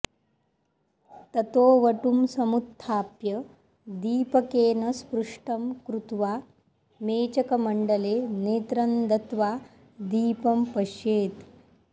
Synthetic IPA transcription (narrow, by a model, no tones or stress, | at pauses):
t̪ɐt̪oːʋɐʈumsɐmut̪ʰːaːpjɐ | d̪iːpɐkeːnɐspɾuʂʈɐmkɾut̪ʋa | meːt͡ʃɐkɐmɐɳɖɐleːneːt̪ɾɐnd̪ɐt̪ʋaː | d̪iːpɐmpɐʃjeːt̪